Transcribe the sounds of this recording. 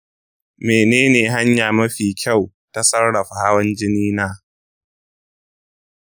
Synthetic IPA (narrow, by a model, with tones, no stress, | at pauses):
meː˨neː˦neː˨ɦa˦ɲjaː˨mɐ˦ɸiː˨kʲʰa˦˨w | ta˦sɐ˦rɽɐ˨ɸa˨ha˦wɐ˦nd͡ʒɪ˦niː˦naː˦